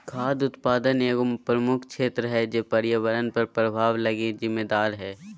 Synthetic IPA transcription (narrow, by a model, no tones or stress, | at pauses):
kʰaːd̪ʊt̪paːd̪əneːɡʊmpɾəmʊkʰʃeːt̪ɾəɦɛd͡ʒeːpɐɾjəʋəɾənpɐɾpɾəbʱaːʋlɐɡed͡ʒɪmːed̪aːɾɦɛː